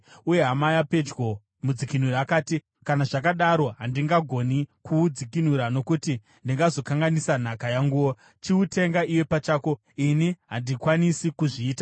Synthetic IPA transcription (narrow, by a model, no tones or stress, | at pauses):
uje̞ɦamajape̞d͡ʒɡo | mud͡zikin̤uɾaakaːti | kanaʐakaɗaɾo̞ɦandiŋɡaɡʱo̞nikuːd͡zikin̤uɾano̞kuti | ndiŋɡazo̞kaŋɡanisan̤akajaŋɡuwo̞ | t͡ʃiute̞ŋɡaʔiwe̞pat͡ʃaːko̞ | iniɦandikwanisikuʐiːta